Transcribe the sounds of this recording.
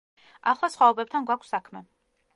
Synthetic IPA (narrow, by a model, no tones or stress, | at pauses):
a̰χlˠasχwaɔbɛp̚t̪ʰanɡwakʷʰsːakʰmɛ